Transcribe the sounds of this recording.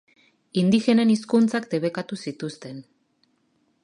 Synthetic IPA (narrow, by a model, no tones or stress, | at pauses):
ind̪ixe̞neniskunt͡sakd̪e̞βe̞kat̪usit̪ust̪e̞n